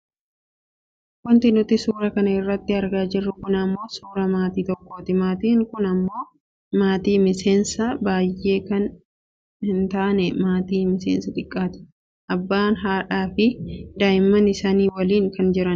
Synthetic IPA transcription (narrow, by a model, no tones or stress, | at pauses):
wɐnt̪ɪnʊt̪ɪsuːɾɐkɐnɐɪrːɐt̪ːɪɐɾɡaːd͡ʒɪrːʊkʊnɐmːo̞ːsuːɾɐmaːt̪iːt̪ɔkːoːt̪ɪmaːt̪iːŋkʊnɐmːo̞ː | maːt̪iːmɪse̞ːnsɐbaːjʔːe̞ːkɐn | hɪnt̪aːʔnɛmaːt̪iːmɪseːnsɐt̪ʼɪkʼːaːt̪ɪ̥ | ʔɐbːaːnɦaːᶑaːfɪd̪aːɪmːɐnɪsaːniːwɐliːŋkɐnd͡ʒɪɾɐn